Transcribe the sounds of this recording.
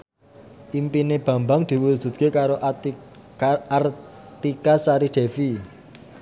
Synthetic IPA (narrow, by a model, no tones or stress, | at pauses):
ʔimpineb̥ä̤mbaŋd̪̥i̤wu̥ʒ̥ṳt̪̚kekaɾoʔ | rt̪ikasaɾiɖ̪̥e̤fi